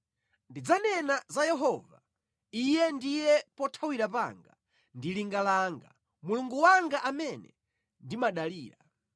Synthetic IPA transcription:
ndid͡zanɛnazajɛɦɔva | ijɛndijɛpɔtʰawiɾapa̰ŋɡa | ndiliŋɡalaːŋɡa | muluŋɡuwaŋɡaʔamɛnɛ̰ | ndimaɗaliːɾa

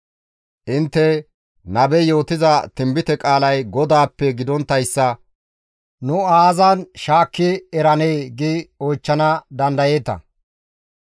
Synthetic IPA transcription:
ʔɪnt̪ːɛ | nɐbɛjo̞ːt̪ɪzɐt̪ɪmbɪt̪ɛkʼaːlɐjɡɔd̪aːpːɛɡɪd̪ɔnt̪ːɐjsːɐ | nʊaːzɐnʃaːkːɪɛɾɐnejɡɪojt͡ʃːɐnɐd̪ɐnd̪ɐje̞ːt̪ɐ̰

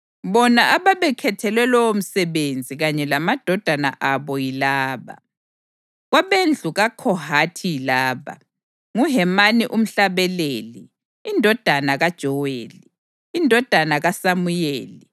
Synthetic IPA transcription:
βɔnaʔaβaβɛkʰɛtʰɛlwɛlɔwom̩sɛβend͡zʱiɣaɲɛlamad̥ʱɔd̥ʱana̰ʔaβɔilaːβa̰ | ɣwaβend͡ɮʱuɣakʰɔɦatʰilaːβa̰ | ŋuɦɛmaniʔum̩ɬaβɛleːliː | ndʱɔd̥ʱanaɣad̥ʒ̥ʱɔwḛːliː | ndʱɔd̥ʱanaɣasamujeːli

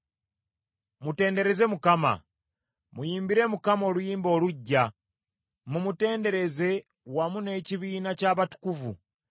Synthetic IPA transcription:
mute̞ːnde̞ɾe̞ze̞mukama̰ | mujiːmbiɾe̞mukamo̞ːlujiːmbo̞ːluɟːa | mumute̞ːnde̞ɾe̞ze̞ | wamune̞ciβiːnacaːβatu̥kuvṵ

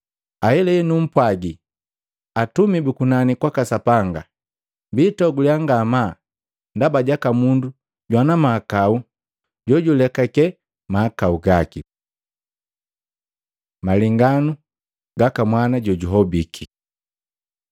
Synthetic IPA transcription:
ahɛlɛɛnum̩pwaɡi | atumibukunanikwakasapaŋɡa | mbitɔɡuljaŋɡama | ndabaɟakamundu | ɟwanamaːkau | ɟɔɟulɛkakɛ | maːkauɡaki | maliŋɡanu | ɡakamwanaɟɔɟuɦɔbikʰi

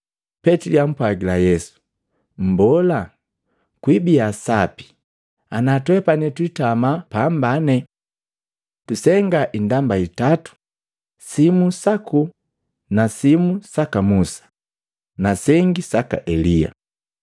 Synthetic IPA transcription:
pɛtiliam̩pwaɡilajɛsu̥ | m̩bɔla | kwibiasapi̥ | anatwɛpanɛtwitamapambanɛ | tusɛŋɡaʔindambaitatu̥ | simusaku | nasimusakamusḁ | nasɛŋɡisaka̰ʔɛlia̰

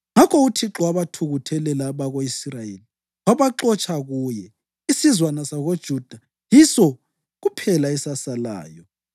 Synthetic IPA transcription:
ŋakʰɔutʰiǁɔaβatʰuɣutʰɛlɛlaβaɣoisrajeːli | aβaǁɔt͡ʃʼʰaɣujɛ | isizwanasaɣod̥ʒ̥ʱud̥ʱa | jisɔ | ɣupʰɛlaɛsasala̰ːjɔ

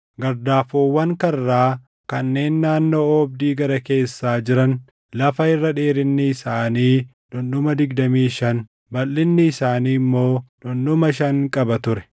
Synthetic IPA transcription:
ɡɐɾd̪aːfoːwːɐŋkɐrːaː | kɐnːe̞ːnːaːnːo̞ːɔbd̪iːɡɐɾɐke̞ːsːaːd͡ʒɪɾɐn | lɐfɐɪrːɐᶑeːɾɪnːɪːsaːniː | ᶑʊnɗʊmɐd̪ɪɡd̪ɐmiːʃɐn | bɐlːɪnːɪːsaːniːmːo̞ːᶑʊnɗʊmɐʃɐŋkʼɐbɐt̪ʊɾɛ̥

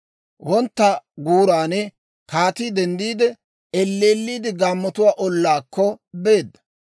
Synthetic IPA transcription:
wɔnt̪ːɐɡuːɾaːnɛ | kaːt̪id̪ɛnd̪iːd̪ɛ | ɛlːeːlːiːd̪ɪɡaːmːɔt̪ʊwaːʔɔlːaːkːɔbeːd̪ːɐ̥

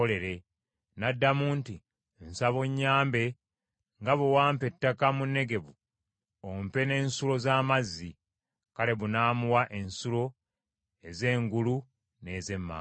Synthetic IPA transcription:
ole̞ɾe̞ | nadːamuːnti | nsaβoɲːaːmbe̞ | ŋɡaβuwaːmpe̞tːakamunːe̞ɡe̞βu | ompe̞ne̞ːnsulo̞zaːmazːi | kale̞βunaːmuwaʔe̞nsulo̞ | e̞ze̞ːŋɡulu | ne̞ːze̞mːa̰ː

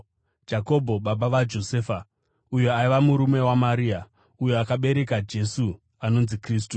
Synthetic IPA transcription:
d͡ʒako̞bʱo̞ɓaɓaʋad͡ʒo̞seːfa | ujoaiʋamuɾume̞wamaɾiːa | ujoakaɓe̞ɾe̞kad͡ʒe̞su | ano̞nzikriːs̬tu

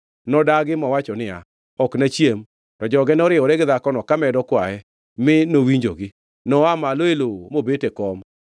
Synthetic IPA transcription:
nɔdaɡɪmɔwat͡ʃɔnɪa̰ | ɔknat͡ʃjem | tɔd͡ʒɔɡɛnɔɾɪɔɾɛɡɪðakɔnɔkamɛdɔkwaɛ | mɪnowiɲd͡ʒo̰ɡɪ | nɔamaloelomobetekɔm

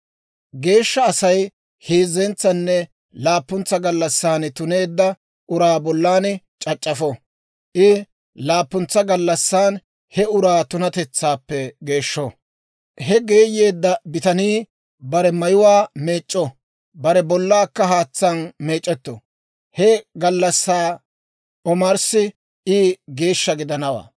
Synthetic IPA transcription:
ɡe̞ːʃːɐːsɐj | heːzːɛnt͡sːɐnːɛ | laːpːʊnt͡sːɐɡɐlːɐsːaːnɪt̪ʊne̞ːd̪ːɐ | ʔʊɾaːbɔlːaːnɪ | t͡ʃʼɐt͡ʃʼːɐfɔ | ʔɪ | laːpːʊnt͡sːɐɡɐlːɐsːaːn | hɛʊɾaːt̪ʊnɐt̪ɛt͡sːaːpːɛɡe̞ːʃːɔ | hɛɡe̞ːjːe̞ːd̪ːɐbɪt̪ɐniː | bɐɾɛmɐjʊwaːme̞ːt͡ʃʼːɔ | bɐɾɛbɔlːaːkːɐɦaːt͡sːɐnme̞ːt͡ʃʼːɛt̪ːɔ̰ | hɛɡɐlːɐsːaː | ɔmɐɾsɪ | ʔɪɡe̞ːʃːɐɡɪd̪ɐnɐwa̰ː

